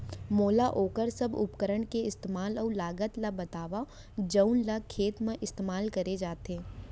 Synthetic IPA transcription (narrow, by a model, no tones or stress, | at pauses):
moːlaʔoːkəɾsɐbʊ̰pkəɾəɳkeɪst̪eːmaːlɔːlaːɡət̪labɐt̪aːʋa | d͡ʒɐʊnlakʰeːt̪mẽʔɪst̪eːmaːlkɐɾed͡ʒaːt̪eː